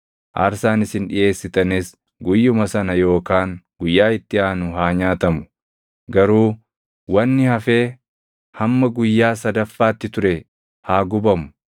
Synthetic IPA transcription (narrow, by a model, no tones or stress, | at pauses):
ʔa̰ːɾsaːnɪsɪnᶑɪje̞ːsːɪt̪ɐnɪs | ɡʊjːʊmɐsɐnɐjo̞ːkaːŋɡʊjːaːɪt̪ːɪaːnʊɦaːɲaːt̪ɐmʊ̥ | ɡɐɾuː | wɐnːɪhɐfe̞ː | hɐmːɐɡʊjːaːsɐd̪ɐfːaːt̪ːɪt̪ʊɾɛ | haːɡʊbɐmʊ̥